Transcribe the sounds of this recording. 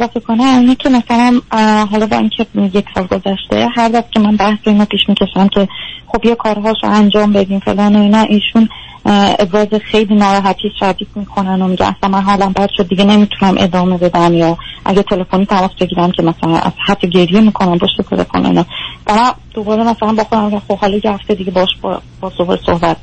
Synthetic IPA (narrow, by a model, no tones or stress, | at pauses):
ezɒfekʰonæinecʰe̞mæsælænɦɒlɒbɒ̰incʰe̞je̞cʰsɒːlɡo̞zæʃt̪e̞̰ɦæɾd̪æzcʰemænbæhsbeiːnɒpiːʃmicʲʰe̞ʃæmcʰe̞χo̞bjɒkʰɒːɾɦɒːʃo̰ʔænd͡ʒɒːmbe̞d̪iːmfḛlɒːnoinɒʔiːʃun | ḛbɾɒːzexe̞jliːnɒːɾɒːɦæt̪ʰiːsʃæd̪iːd̪miːkʰo̞nænomiɟæ̰nʔæ̰slænmænɦɒlæmbæd̪̥ʃod̪̚ːiɡɟene̞miːt̪ʰunæmʔe̞̰d̪ɒːme̞be̞d̪æmjɒːʔæ̰ɟet̪ʰe̞le̞foniːt̪ʰæmɒːsbe̞ɟiːɾæmcʰe̞mæsælænʔæ̰z̥hæt̪ʰːoɟe̞ɾjemiːkʰo̞næmpʰoʃt̪et̪ʰe̞lḛfo̰no̰ḭnɒːvæmænd̪̥o̞bɒːɾemæsælænbɒxod̪æmːiɟæmxo̞b̥hɒːlɒjehæft̪ed̪iɟebɒːʃb̰bʰɒːsohɾḛsohbæt̪̚